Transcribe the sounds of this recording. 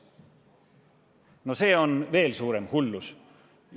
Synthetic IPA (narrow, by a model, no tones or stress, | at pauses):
no̞se̞ːo̞nve̞ːlsuːɾe̞mhulːus